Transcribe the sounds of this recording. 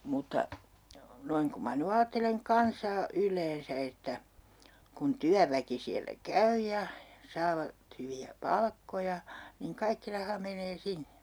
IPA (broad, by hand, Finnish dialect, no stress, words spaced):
mutːɑ noiŋ ku mɑ ny ɑːtːeleŋ kɑnsɑː ylˑeːnsæ etːæ kun tyæʋæki siælːæ kæy jɑ sɑːʋɑt hyʋiæ pɑlkːojɑ niŋ kɑikːi rɑhɑ meneː sinːe